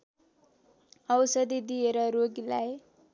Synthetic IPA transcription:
ʌwsʌd̪id̪ijeɾʌɾoɡilaj

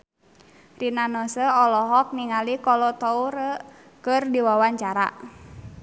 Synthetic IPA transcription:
rinanɔsəɔlɔɦɔk̚niŋalikɔlɔt̪ɔuɾə | kərdiwawaɲt͡ʃaɾa̰

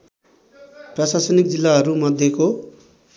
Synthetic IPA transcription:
prʌsasʌnik̚d͡zilːaɦʌɾumʌd̪ʱjeko

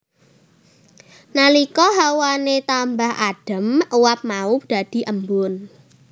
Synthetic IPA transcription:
nalikɔɦawanet̪ambahaɖ̥ə̤məwap̚maʊpd̪̥a̤d̪̥i̤ʔəmbʊn

